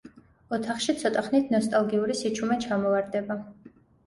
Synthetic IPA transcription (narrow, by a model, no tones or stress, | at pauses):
ɔt̪ʰaχʃit̪sʰɔt̪ʼaχnit̪ʰnɔst̪ʼalˠɡiuɾisit͡ʃʰumɛt͡ʃʰamɔvaɾd̪ɛba